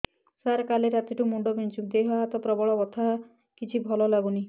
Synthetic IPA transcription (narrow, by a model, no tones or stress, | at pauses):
saɾkaleɾat̪iʈumuɳɖɔbint͡ʃʰud̪eɦɔat̪ɔpɾɔbɔɭɔbɔt̪ʰa | kit͡ʃʰibʱɔlɔlaɡuni